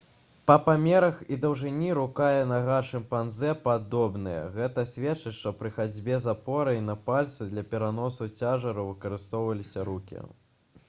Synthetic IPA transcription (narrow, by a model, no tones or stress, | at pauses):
pɐpamʲɛɾɐxid̪ɐwʐɨnʲiɾukajɛnɐɣaʂɨmpanzɛpad̪ɔbnɨjɛ̰ɣɛt̪ɐsʲvʲɛtt͡ʂɨt͡ɕʂt̪ɔpɾɨxad͡zʲbʲɛzapɔɾɐjnɐpalʲt̪sɨd̪lʲɐpʲɛɾanɔsut͡sʲaʐɐɾɐwvɨkɐɾɨst̪ɔwvɐlʲisʲɐɾukʲḭ